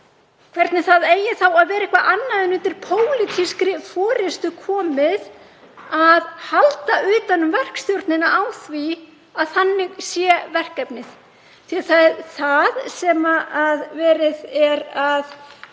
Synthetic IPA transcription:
kʰv̥ɛɾt̪nɪθaðeːjɪθawaðvɛːɾaehkvaʔanːaðɪnʏnt̪ɪɾ̥pʰoːwlɪt̪ʰiskɾɪfɔːɾɪst̪ʏkʰɔːmɪð | aðhalt̪aʔʏːt̪anːʏmvɛr̥kst̪jowɾt̪nɪnaawθvi | aðθanːɪɣsjɛvɛr̥kɛpnɪθ | θiaθaθaðsɛmaːðvɛːɾɪðɛɾað

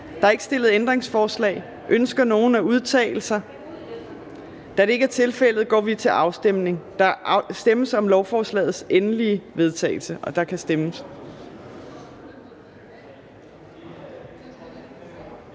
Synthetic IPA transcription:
d̥ɑɑ̈e̝ɡ̥sd̥e̝l̰əð̞̩ˠend̥ʁeŋsfɒːslɛ̰ːɪ | ʔønsɡ̥ɐno̝ːn̩æuð̞ˠt͡sʰɛ̰ːɪl̩sɐ | d̥æd̥e̝eɡ̥æɐt͡sʰe̝lfel̰ð̩ˠɡ̥ɒ̰ːʋit͡sʰe̝lʔɑ̈ʊsd̥em̰ne̝ŋd̥ɑ̈sd̥eməsɒ̽mlɒʊfɒːslɛ̰ːð̩ˠsenəliəʋe̝ð̞ˠt͡sʰɛ̰ɪl̩səʔɒ̽d̥ɑ̈kʰæsd̥eməs

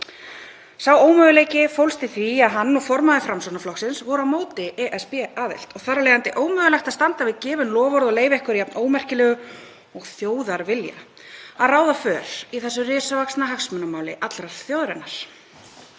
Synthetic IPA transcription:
sawoːwmœɣʏleːjcɪfowlst̪ɪθviaðɦanːɔɣfɔɾmaðɪfɾamsɔnaflɔxsɪnsvɔɾʏamoːwt̪ɪʔɛʔɛspɛːaːðɪ̰lt̪ɔɣθaɾaleːjɣant̪ɪʔoːwmœːɣʏlɛxt̪ast̪ant̪avɪðcɪːvʏnlɔːvɔɾðɔɣleːjvɛhkʏɾjɛpnʔoːwmɛr̥cɪlɛːɣʏ | ɔɣθjoːwðaɾvɪlja̰ | aðraːwðafœːɾ̥iθɛsːʏrɪːsavaksnaɦaksmʏnamaːwlɪʔat̪lɾar̥t̪θjoːwðɾɛnaɾ̥

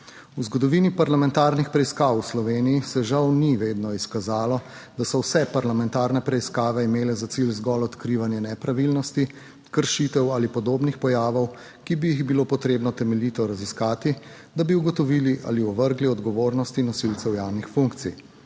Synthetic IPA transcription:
uzɡɔd̪ɔʋiːnipaɾlamɛnt̪aːɾnixpɾɛiskaːwslɔʋeːnijisɛʒawniʋeːd̪nɔiskazaːlɔ | d̪asɔwsɛpaɾlamɛnt̪aːɾnɛpɾɛiskaːʋɛimeːlɛzasilzɡɔlɔt̪kɾiʋanjɛnɛpɾaʋilnɔst̪i | kəɾʃit̪ɛwalipɔd̪oːbnixpɔjaːʋɔw | kibijiɣbiloːpɔt̪ɾeːbnɔt̪ɛmɛliːt̪ɔɾaziskaːt̪i | d̪abiuɡɔt̪ɔʋiːliʔa̰liɔʋəɾɡliɔd̪ɡɔʋoːɾnɔst̪inɔsilsɛwjawnixfuŋkt̪sḭj

